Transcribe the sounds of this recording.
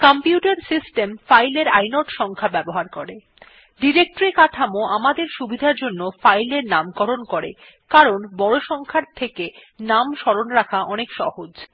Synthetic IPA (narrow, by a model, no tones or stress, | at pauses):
kɔmpjuʈaɾsisʈemfajleɾa̰jnoʈʃɔŋkʰabɛboɦaɾkɔɾe | ɖiɾek̚ʈoɾikaʈʰamoamad̪eɾʃubʱid̪ʱaɾd͡ʑonːofajleɾnamkɔɾonkɔɾḛ | kaɾonbɔɽoʃɔŋkʰaɾt̪ʰekenamʃɔɾonɾakʰaʔɔnekʃɔ̰hod͡ʑ